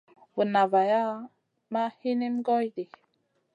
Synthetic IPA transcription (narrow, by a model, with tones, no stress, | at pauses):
wu˨na˨va˨ja˦ | ma˦hi˦ni˦mɡɔ˦jdi˨